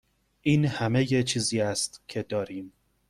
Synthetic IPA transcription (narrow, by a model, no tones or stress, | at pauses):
ʔiːnhæmejet͡ʃʰiːziːæst̪cʰe̞d̪ɒːɾiːm